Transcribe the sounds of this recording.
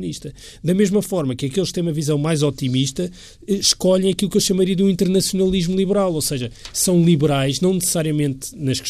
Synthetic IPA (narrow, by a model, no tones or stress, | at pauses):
niʃt̪ɐ | d̪ɐmeʒmɐfɔɾmɐkɐkelˠʃkt̪ɐ̃j̃umɐvizɐ̃w̃majzɔt̪imiʃt̪ɐ | ɛʃkɔʎɐ̃j̃ɐkilˠukewʃɐmɐɾiɐd̪uĩnt̪ɨɾnɐsjunɐlˠiʒmulˠiβɨɾalˠosɐʒɐsɐ̃w̃lˠiβɨɾajʒnɐ̃w̃nɨsɨ̥saɾiɐmẽnt̪nɐʃkʃ